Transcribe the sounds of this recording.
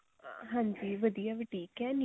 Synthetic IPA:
ɦãːɲd͡ʒiːʋəd̪ijaːʋiʈiːkɛ̃ːn

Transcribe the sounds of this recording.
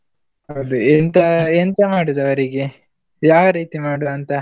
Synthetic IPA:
ɐʋd̪uent̪ɐent̪ɐmaːɽud̪ɐʋɐɾiɡe | jaːʋɐɾiːt̪imaːɽuʋɐnt̪ɐ

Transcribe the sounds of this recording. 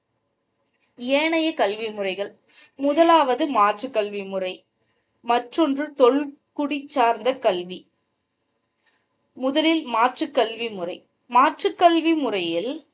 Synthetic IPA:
eːɳɐjɐkɐlʋimʊrɐɪɣɐɭ | mʊðɐlaːʋɐðɯmaːʈrɯkːɐlʋimɯrɐɪ | mɐʈrɔndrɯt̪ɔɭkʊɽɪt͡ʃːaːɾnd̪ɐkɐlʋi | mʊðɐlɪlmaːʈrɯkːɐlʋimɯrɐɪ | maːʈrɯkːɐlʋimɯrɐjɪl

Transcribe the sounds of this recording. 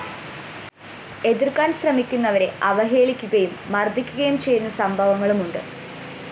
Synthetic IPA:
e̞ðirkaːnɕrɐmikʲːunːɐʋɐɾe̞ʔɐʋɐɦe̞ːɭikʲːuɣɐjumːɐrd̪ʱikʲːuɣɐjumt͡ɕe̞junːɐsɐmbʱɐʋɐŋːɐɭumuɳɖɨ̰

